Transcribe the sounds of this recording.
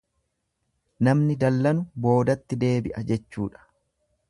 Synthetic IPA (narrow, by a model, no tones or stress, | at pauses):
nɐmnɪd̪ɐlːɐnʊbo̞ːd̪ɐt̪ːɪd̪e̞ːbɪʔɐd͡ʒɛt͡ʃːuːᶑɐ̥